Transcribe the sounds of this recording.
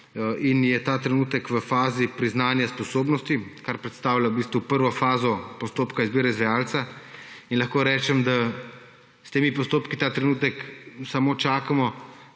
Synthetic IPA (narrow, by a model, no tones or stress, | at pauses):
injɛt̪aːt̪ɾɛnuːt̪ɛkʋəfaːzipɾiznaːnjaspɔsoːbnɔst̪ikaɾpɾɛt̪st̪aːwlʲabiːst̪ʋupəɾʋɔfaːzɔpɔst̪oːpkaizbiːɾɛzʋɛjaːlt̪sainlɐxkoːɾɛːt͡ʃɛmd̪a | st̪eːmipɔst̪oːpkit̪aːt̪ɾɛnuːt̪ɛksamoːt͡ʃaːkamɔ